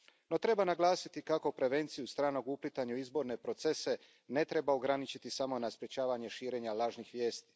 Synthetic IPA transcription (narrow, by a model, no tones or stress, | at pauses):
no̞t̪ɾe̞banaɡlˠaːsit̪ikakopɾe̞ʋe̞nt̪sijust̪ɾaːno̞ɡuplit̪aɲuizbo̞ɾne̞pɾo̞t̪se̞se | ne̞t̪ɾe̞baoɡɾanit͡ʃit̪isamo̞naspɾjet͡ɕaːʋaɲe̞ʃiːɾe̞ːɲalaːʒnixʋje̞ːst̪i̥